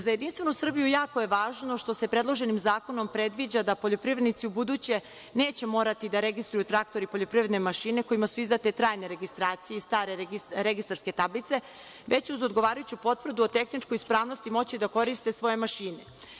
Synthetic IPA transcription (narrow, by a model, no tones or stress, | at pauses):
zajed̪inst̪ʋe̞nusr̩bijujaːkoje̞ʋaːʒno̞ʃt̪o̞se̞pɾe̞d̪lˠoʒe̞nimzaːko̞no̞mpɾe̞d̪ʋid͡ʑad̪apo̞ʎo̞pɾiʋɾed̪nit̪siubud̪ut͡ɕe̞ | ne̞ːt͡ɕe̞mo̞ːɾat̪id̪aɾe̞ɡist̪ɾujut̪ɾak̚t̪o̞ɾipoʎʲo̞pɾiʋɾe̞d̪nemaʃine̞ko̞imasuizd̪at̪e̞t̪ɾaːjneɾe̞ɡist̪ɾaːt̪sijeist̪aːɾe̞ɾɾeɡist̪aɾske̞t̪ablit̪se̞ | ʋe̞t͡ɕuzo̞d̪ɡo̞ʋaːɾajut͡ɕupo̞t̪vr̩d̪uot̪e̞xnit͡ʃkojspɾaːʋno̞st̪imo̞t͡ɕid̪ako̞ɾist̪e̞sʋo̞je̞maʃiːne